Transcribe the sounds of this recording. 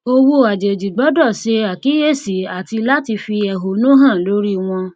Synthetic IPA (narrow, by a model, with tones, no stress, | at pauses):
o˧wo˧a˨d͡ʒe˨d͡ʒi˨ɡ͡bɔ˨˦dɔ˦˨ʃe˧a˨ki˨˦je˦˨si˨˦a˨ti˧la˦ti˧fi˧ɛ˨ɦo˨nũ˦ɦã˦˨lo˨˦ɾi˦w̃ɔ̃˧